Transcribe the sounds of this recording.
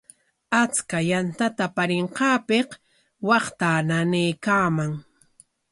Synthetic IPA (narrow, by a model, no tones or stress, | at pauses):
at͡skajant̪at̪apaɾɪɴqɑːpeq | wɑχt̪ananejkaːmaŋ